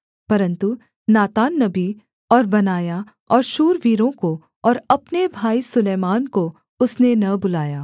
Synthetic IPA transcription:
pɐɾə̃nt̪u | naːt̪aːnːɐbi | ɔːɾbɐnaːja | ɔːɾʃuːɾʋiːɾõko | ɔːɾɐpnebʱaːisʊleːmaːnko | ʊsnenɐbʊlaːjaː

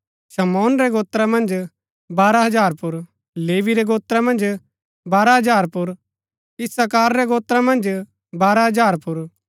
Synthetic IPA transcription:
sɐmɔːnɾɛɡoːt̪ɾamɐ̃nd͡ʒ | baːɾaɦɐd͡ʒaːɾpʊɾ | leːʋiɾɛɡoːt̪ɾamɐ̃nd͡ʒ | baːɾaɦɐd͡ʒaːɾpʊɾ | ɪsakaːɾɾɛɡoːt̪ɾamɐ̃nd͡ʒ | baːɾaɦɐd͡ʒaːɾpʊɾ

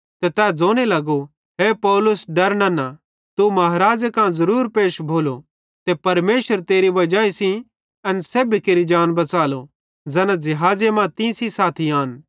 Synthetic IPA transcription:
t̪et̪ɛːd͡zoːñelɐɡo | ɦepɔːlʊsɖɐɾnãna | t̪umɐɦɾaːd͡ʒkãzɐɾuːɾpeːʃbʱoːlo | t̪epɐɾmeːsəɾt̪eːɾibɐd͡ʒaːisĩ | ɐnseːbikeːɾid͡ʒaːnbɐt͡saːlo | d͡zɛːnãd͡ʒɪɦaːd͡ʒemãt̪ĩsisaːt̪ʰiaːn

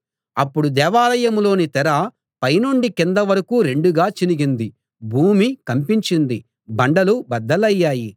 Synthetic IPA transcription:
ɐpːuɽud̪ɛːʋaːlɐjɐmlo̞ːnit̪ɛɾɐ | pɐjnoɳɖikind̪ɐʋɐɾɐkuːɾe̞ɳɖuɡaːt͡ʃiniɡind̪i | bʱuːmikɐmpiɲt͡ʃind̪i | bɐɳɖɐlubɐd̪ːɐlɐjːaːji

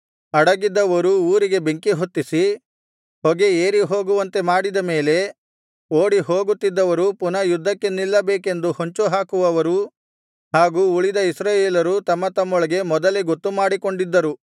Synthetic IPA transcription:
ɐɽɐɡid̪ːɐʋɐɾuuːɾiɡe̞be̞ŋkiɦot̪ːisi | hɔɡe̞eːɾiɦo̞ːɡuʋɐnt̪e̞maːɽid̪ɐme̞ːle̞ | oːɽiɦoːɡut̪ːid̪ːɐʋɐɾupunɐjud̪ʱːɐkːe̞nilːɐbeːke̞nd̪uhoɲt͡ʃuɦaːkuʋɐʋɐɾu | haːɡuːuɭid̪ɐisɾaːjeːlɐɾut̪ɐmːɐt̪ɐmːɔɭɐɡe̞mɔd̪ɐleɡot̪ːumaːɽiko̞ɳɖid̪ːɐɾu

